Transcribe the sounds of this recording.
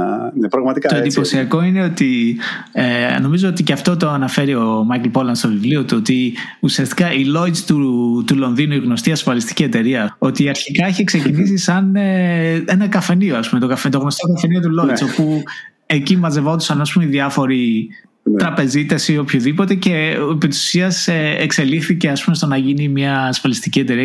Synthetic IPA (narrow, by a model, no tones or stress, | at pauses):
nepɾɐɣmɐt̪ikɐt̪oend̪ipo̞siɐko̞ine̞o̞t̪i | eno̞mizoot̪iceɐft̪o̞t̪oɐnɐfe̞ɾio̞mɐjklpo̞lɐnd̪st̪o̞vivliot̪uot̪iusiɐst̪i̥kɐʔilo̞it͡st̪ut̪ulo̞nðinuiɣno̞st̪iɐsfɐlist̪i̥ciet̪e̞ɾiɐo̞t̪iɐɾçikɐiçekse̞cinisisɐnee̞nɐkɐfe̞nioɐspume̞t̪okɐft̪oɣno̞st̪okɐfeniot̪ulo̞it͡so̞pu | e̞cimɐze̞vo̞t̪u̥sɐnɐspumeiðiɐfo̞ɾi | ɾɐpe̞zit̪ɐsio̞pçoðipot̪ece̞epit̪i̥su̥siɐseekse̞lixθice̞ɐspumest̪onɐʝinimɲɐːsfɐlist̪iciet̪e̞ɾiɐ